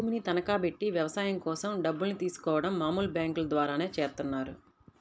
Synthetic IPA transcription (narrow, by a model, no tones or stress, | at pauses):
uːminit̪ɐnɐkaːpe̞ʈːiʋjɐʋɐsaːjɐmkɔːsɐmɖɐbːulnit̪iːsu̥kɔːʋɐɽɐmːaːmuːlbjaːŋkulɐd̪ʋaːɾaːne̞ːt͡ʃeːɾt̪unːaːɾu